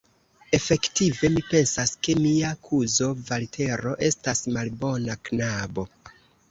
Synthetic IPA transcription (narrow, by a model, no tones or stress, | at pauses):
e̞fe̞ktive̞mipe̞nsaske̞miakʰuzo̞valtʰe̞ɾo̞ʔe̞stasmalbo̞naknabo̞